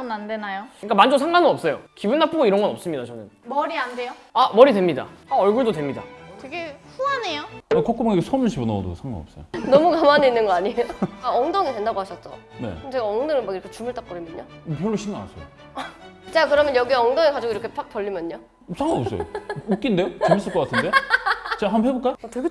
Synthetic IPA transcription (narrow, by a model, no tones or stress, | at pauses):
ʌmnandenajoɲkamand͡ʑosʰaŋɡanɯnʌp̚s͈ʌjokibunːap͈ʰuɡoiɾʌnɡʌnʌp̚s͈ɯmɲidat͡ɕʌnɯnmʌɾiande̞jo | amʌɾidwe̞mɲida̰aʌɭɡuɭdotwe̞mɲida̰teɡe̞ɸuane̞joakok͈umaŋiɡesʰʌmɕʰibona̰o̰do̰ɡsʰaŋɡa̰nʌ̰p̚s͈ʌjonʌmukamaneinːɯnɡʌaɲiejoaʌŋdʌŋidwendaɡohaɕʰʌt̚t͡ɕ͈o̰ne̞̰ɯt͡ɕeɡaʌŋnɯŋɯmakiɾʌkʰe̞t͡ɕumɯɭt͈ak͈ʌɾimjʌnɲo̰p̬jʌɭːuɕʰinaa̰sʰʌ̰jo | t͡ɕakɯɾʌmjʌnjʌɡieʌŋdʌŋekad͡ʑiɡoiɾʌkʰepak̚pʌʎːimjʌɲːo | sʰaŋɡoʌp̚s͈ʌ̰j̰uk͈indejot͡ɕemis͈ɯɭk͈ʌk͈atʰɯndet͡ɕaɦanɸeboɭk͈ajoteɡe